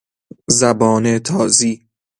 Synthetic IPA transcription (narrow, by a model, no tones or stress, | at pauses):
zæbɒːnet̪ʰɒːziː